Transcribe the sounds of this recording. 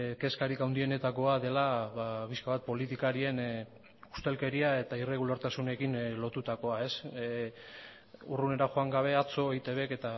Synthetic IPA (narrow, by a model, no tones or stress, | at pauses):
ke̞skaɾikawnd̪ie̞ne̞t̪ako̞aðe̞laβapiskaβat̪̚po̞lit̪ikaɾie̞n | u̥st̪e̞lke̞ɾiae̞t̪aire̞ɣulaɾt̪asune̞kinlo̞t̪ut̪ako̞ae̞s | urune̞ɾaʝo̞aŋɡaβ̞e̞at͡so̞ejt̪e̞βe̞ke̞t̪a